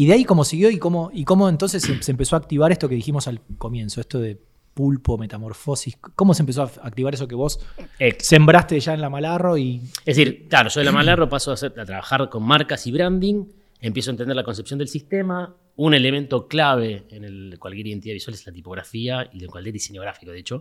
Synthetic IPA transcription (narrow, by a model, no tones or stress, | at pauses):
iðeaikomo̞siɣ̞jo̞iko̞moiko̞moent̪̬o̞ns̬esesempeso̞aːk̚t̪iβaɾest̪o̞keðiximosalko̞mjẽ̞nsoehst̪oðe̞ | pulpome̞t̪amo̞ɾfo̞siskomosempes̬oaak̚t̪iβaɾes̬ok̬eβo̞sese̞mbɾast̪eʒaenlamalaro̞ieðsiɾklaɾoʒoelamalaropasoasat̪ɾaβaxaɾko̞nmaɾkasiβɾand̪iŋ | empjesoant̪end̪elako̞nsepsjo̞nd̪elsist̪ema | une̞lemẽnt̪o̞klaβ̞e̞ːnelkwalk̬jeɾiðent̪iðaðiswaleslat̪ipo̞ɣɾa̰fiaiekwalk̪ʲeɾðisenjoɣ̞ɾafi̥koðeet͡ʃo̞